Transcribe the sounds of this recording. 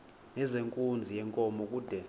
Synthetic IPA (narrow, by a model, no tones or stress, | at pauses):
nɛzeŋkʼund͡zʱijɛŋkʼɔmɔkʼuːd̥ʱɛ